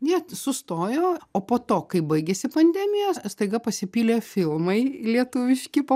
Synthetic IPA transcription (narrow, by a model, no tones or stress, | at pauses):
nʲɛsʊst̪oːjoːoːpoːt̪oːkɐɪbɐɪɡʲesʲɪpɐnʲd̪ʲɛmʲɪjɛst̪ɐɪɡɐpɐsʲɪpʲiːlʲeːfʲɪlˠmɐɪlʲiɛt̪ʊʋʲɪʃʲkʲɪpɐ